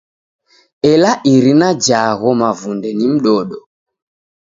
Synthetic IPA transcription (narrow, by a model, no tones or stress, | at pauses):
ɛlaʔiɾinad͡ʒaɣɔmavundɛnim̩ɗɔɗɔ